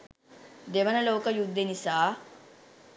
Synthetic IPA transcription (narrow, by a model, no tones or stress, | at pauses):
d̪eʋɐnɐloːkəjud̪ːenisaː